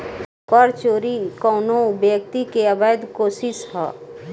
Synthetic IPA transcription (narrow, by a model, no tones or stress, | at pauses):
pɔɾt͡ʃoːɾikɔːnõʊbjəkt̪ikeəbəəd̪koːsɪʃɦɛ̰ː